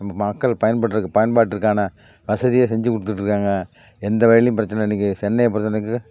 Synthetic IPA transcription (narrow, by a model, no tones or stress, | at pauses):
ɐmːɐmɐkːɐɭpɐjɐnpɐʈːɪɾɯkːɯpɐjɐnpaːʈːɪɾɯkːaːnɐ | ʋɐsɐðɪjesɛɲd͡ʒɯkʊɽɯt̪ːɯʈːɾɯkːaːŋɡɐ | ɛnd̪ɐʋɐɻlɪmpɪɾɐt͡ʃːɐnɐɪnːɪk̬ːɯsɛnːɐjɐp̬ːɔɾɯt̪ːɐnɯk̬ːɯ